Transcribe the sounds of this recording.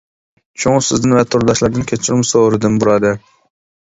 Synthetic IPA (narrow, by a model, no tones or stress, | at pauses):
t͡ʃʰoŋsɨzd̪ɪnvɛt̪ʰʊɾd̪ɑʃlaɾd̪ɪnkʲʰet͡ʃʰɪɾʊmsoɾɪd̪ɪmbʊɾɑd̪ɪ